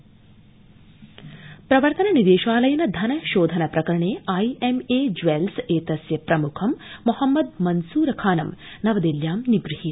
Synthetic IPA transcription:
pɾɐʋɐɾt̪ɐnɐnid̪eːʃʋaːlɐjɐnɐd̪ʱɐnɐʃoːd̪ʱɐnɐpɾɐkɐɾɐɳeːɐjemeːd͡ʒʋelseːt̪ɐsjɐpɾɐmukʰɐmːuhɐmːɐd̪mɐnsuːɾɐkʰaːnɐmnɐʋɐd̪iljaːmniɡɾihi

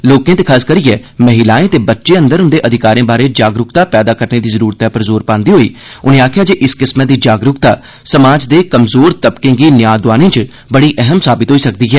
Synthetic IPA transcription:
loːkẽːt̪eːkʰaːskəɾijɛː | məɦɪlaːẽːt̪eːbətːʃẽːə̃nd̪əɾɦʊ̃nd̪eːʔəd̪ʱɪkaːɾẽːbaːɾeːd͡ʒaːɡɾʊkt̪aːpɛːd̪aːkəɾneːd̪iːzəɾuːɾt̪ɛːpəɾzoːɾpãːnd̪iːɦoːiː | ʊnẽːaːkʰjaːd͡ʒeːʔɪskɪsməd̪iːd͡ʒaːɡɾʊkt̪aː | səmaːd͡ʒd̪eːkəmzoːɾt̪əbkẽːɡiːnɪjaːd̪ʊʋaːnĩːt͡ʃ | bəɽiːʔɛɦəmsaːbɪt̪ɦoːiːsək̚d̪iːɦɛː

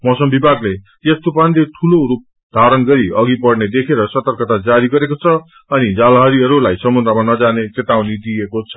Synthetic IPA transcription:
mʌsʌmbibʱaɡle | jʌst̪upanleʈʰuloɾup̚ | d̪ʱaɾʌnɡʌɾiʌɡipʌrned̪ekʰeɾʌsʌt̪ʌrkʌt̪ad͡zaɾiɡʌɾekot͡sʰʌ | ʌnid͡zalɦʌɾiɦʌɾulajsʌmund̪ɾamanʌd͡zanet͡set̪aw̃nid̪iekot͡sʰʌ̥

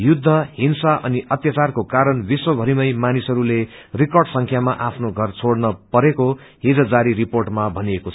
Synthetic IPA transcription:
jud̪ʱːʌhinsaʔʌ̰niʔʌt̪jʌt͡sarkokaɾʌnbiswʌbʱʌɾimʌjmanisʌɾule | rikʌrɖsʌŋkʰjamaʔapʰnoɡʱʌrt͡sʰoɽnʌpʌɾeko | ɦid͡zʌd͡zaɾiɾiporʈmabʱʌniekot͡sʰʌ

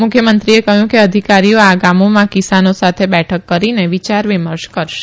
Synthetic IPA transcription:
mʊkʰjəmənt̪ɾiekəɦjũkeəd̪ʱikaɾioaɡamomãkisanosat̪ʰebɛʈʰəkːəɾineʋit͡ʃaɾʋiməɾʃkəɾʃe̥

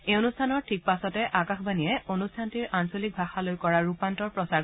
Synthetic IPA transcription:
ejonustʰanɔɹtʰik̚pasɔtɛʔakaxbanijɛonustʰantiɹʔansolik̚bʱaxalojkɔɹaɹupantɔɹpɹɔsaɹ

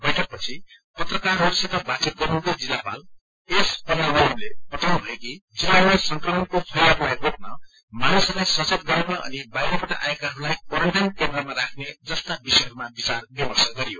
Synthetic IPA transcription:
bʌjʈʰʌk̚pʌt͡sʰi | pʌt̪rʌkarɦoɾusit̪ʌbat͡sit̪̚ɡʌɾuk̪od͡zilːapa̰l | espʌnanomlepʌt̪ʰanubʱʌekid͡zilːalajsʌŋkrʌmʌnkopʰʌjlapuaekotnʌ | manusʌɾlajsʌt͡set̪̚ɡʌɾenʌʔʌ̰nibajɾepʌʈaʔa̰ekaɦʌɾulajkʌɾʌʈenkend̪rʌmaɾakʰned͡zʌst̪abisʌɦʌɾumabit͡sarbibʌsaɡʌɾijo

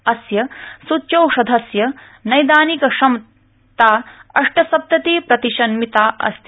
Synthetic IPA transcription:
ɐsjɐsut͡ʃɐwʃɐd̪ʱɐsjɐ | nɐjd̪aːnikɐʃɐm | t̪aːɐʂʈɐsɐp̚t̪ɐt̪iːpɾɐt̪iʃɐnmit̪aːʔɐ̰st̪

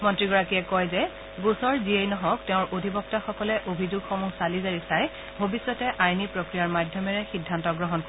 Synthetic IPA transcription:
mɔntɹiɡɔɹakiɛkɔjzɛ | ɡusɔɹziejnɔɦɔ̃ktɛʊ̃ɹʔodʱibɔk̚taxɔkɔlɛʔobʱizuɡxɔmuɡsalizaɹiksaj | bʱobisːɔtɛʔajnipɹokɹijaɹmadʱjɔmɛɹɛxidʱːantɔɡɹɔɦɔnk

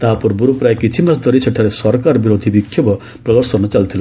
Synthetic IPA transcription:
t̪aɦapɔɾbuɾopɾajkit͡ʃʰimasd̪ʱɔɾiseʈʰaɾesɔɾkaɾɔbiɾod̪ʱibikʰːjebɔ | pɾɔd̪ɔɾsɔnɔt͡ʃalt̪ʰilɔ

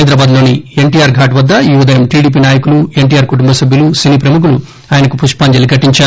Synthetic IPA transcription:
jd̪ɾɐbaːd̪lo̞ːnieɳʈiːjaːɾɡʱaːʈʋɐd̪ːɐiːʋud̪ɐjɐmʈiːɽiːp̬iːnaːjɐkulue̞ɳʈiːjaːɾkuʈumbɐsɐbʱjɐlusiniːpɾɐmuk̬ulu | aːjɐnɐkupuʂʈpaːɲd͡ʒɐliɡʱɐʈːiɲt͡ʃaː

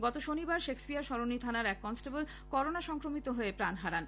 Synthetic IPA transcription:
ɡɔt̪oʃonibaɾʃekspiaɾʃɔɾonit̪ʰanaɾɛkːɔnsʈabel | kɔɾonaʃɔŋkɾomit̪oɦoepɾanɦaɾan

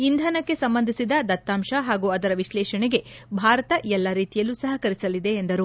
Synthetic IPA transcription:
ind̪ʱɐnɐkːe̞sɐmbɐnd̪ʱisid̪ɐd̪ɐt̪ːaːmʃɐɦaːɡuɐd̪ɐɾɐʋiʃlɛːʃɐɳɛɡe̞bʱaːɾɐt̪ɐʔɛlːɐɾiːt̪ijɐlːusɐɦɐkɐɾisɐlid̪e̞ːnd̪ɐɾu

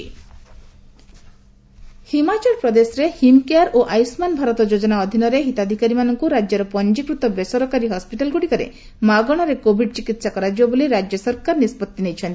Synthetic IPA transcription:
himat͡ʃɔɾpɾɔd̪esɔɾehimkeaɾoʔajsmanbʱaɾɔt̪ɔd͡ʒod͡ʒɔnaɔd̪ʱinɔɾeɦit̪ad̪ʱikaɾimanɔŋkuɾad͡ʒjɔɾɔpɔnd͡ʒikɾut̪ɔbesɔɾɔkaɾiɦɔspiʈalɡuɽikɔɾḛ | maɡɔɽ̃ɔɾekobʱiɖt͡ʃikit̪sakɔɾad͡ʒibɔboliɾad͡ʒjɔsɔɾkaɾnispɔt̪ːinejt͡ʃʰɔnt̪i

